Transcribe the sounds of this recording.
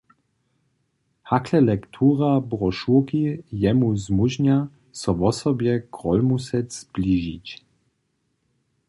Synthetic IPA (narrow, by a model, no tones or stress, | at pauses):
hakʰlɛlɛkt̪ʰuːʁabʁɔʃukijɛmuzmuʒɲa | sɔvɔsɔbjɛɡʁɔlmusɛzbliʒit͡ɕ